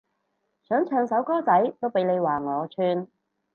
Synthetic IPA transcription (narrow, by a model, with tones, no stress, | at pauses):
sœː˨˥ŋt͡ʃʰœː˧ŋsɐ˨˥wkɔː˥t͡sɐ˨˥jt̪o˥wpe˨˥jne˨˧jwaː˨ŋɔː˨˧t͡ʃʰyː˧n